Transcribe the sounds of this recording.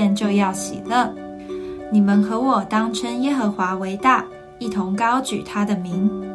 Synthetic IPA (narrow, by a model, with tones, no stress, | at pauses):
nt͡ɕjo˥˧ʊjɑ˥˩ʊɕḭ˨˩lə˥˩ | ni˨˩mə˨nxɤ˧˥wɔ˨˩t̪ɑ˥ŋʈ͡ʂʰə˥njɛ˥xə˧˥xwa˧˥we˧˥ɪt̪a˥˩ | i˥˩t̪ʰʊ˧˥ŋkɑ˥ʊt͡ɕy̰˨˩t̪ʰa˥d̪ə˨mi˨˥ŋ